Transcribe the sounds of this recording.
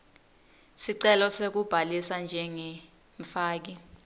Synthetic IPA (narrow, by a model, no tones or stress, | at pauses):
siǀɛlɔsek̬ub̥ʱalisand͡ʒʱɛŋɛ | ɱfaːk̬i